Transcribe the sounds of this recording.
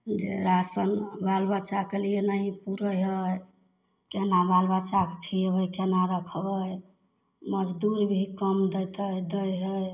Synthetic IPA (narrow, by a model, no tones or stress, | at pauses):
d͡ʒḛɾasənbalbat͡ʃakelienaɦipuɾəjɦəj | kenabalbat͡ʃakekʰibəjkenaɾəkʰəbəj | məd͡ʒd̪uɾbʱikəmd̪əjt̪əjd̪əjɦəj